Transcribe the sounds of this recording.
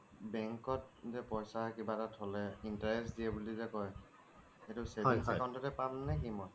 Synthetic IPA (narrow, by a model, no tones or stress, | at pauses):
bɛŋkɔt̚zɛpɔjsakibatatʰɔlɛintaɹɛsdiɛbulizɛkɔj | etuselinsɛjkawntɔtɛpalnɛkimɔ